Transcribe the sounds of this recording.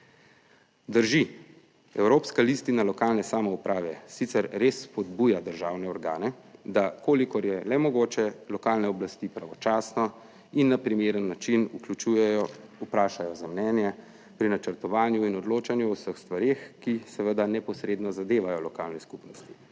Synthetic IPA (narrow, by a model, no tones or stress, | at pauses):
d̪əɾʒi | ɛwɾoːpskalist̪inalɔkaːlnɛsaːmɔupɾʔaːʋɛsit̪sɛɾɾesːpɔd̪buːjad̪əɾʒaːwnɛɔɾɡaːnɛ | d̪akoːlikɔɾjɛlɛmɔɡoːt͡ʃɛlɔkaːlnɛɔblast̪ipɾaʋɔt͡ʃaːsnɔ | inːapɾimeːɾənːat͡ʃinuklut͡ʃujɛɔupɾaːʃajɔzamnɛːnjɛ | pɾinat͡ʃəɾt̪ɔʋaːnjuinɔd̪loːt͡ʃanjuɔwsəxst̪ʋaɾexkisɛʋəd̪anɛpɔsɾeːd̪nɔzad̪eːʋajɔlɔkaːlnɛskupnɔst̪i̥